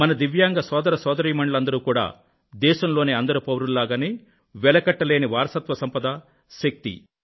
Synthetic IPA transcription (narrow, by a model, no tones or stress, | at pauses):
mɐnɐd̪iʋjaːŋɡɐsɔːd̪ɐɾɐsɔːd̪ɐɾiːmɐɳɖɐlɐnd̪ɐɾuːkuːɽa̰ː | d̪ɛːʃɐmlo̞ːneːɐnd̪ɐɾupɐwɾulːaːɡɐni | ʋɛlɐkɐʈːɐle̞ːniʋaːɾɐsɐt̪ʋɐsɐmpɐd̪ɐ | ʃɐk̚t̪ḭ